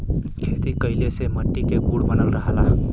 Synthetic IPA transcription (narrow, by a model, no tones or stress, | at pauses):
kʰet̪ikəjleseməʈːikeɡuɽbənəlɾəɦala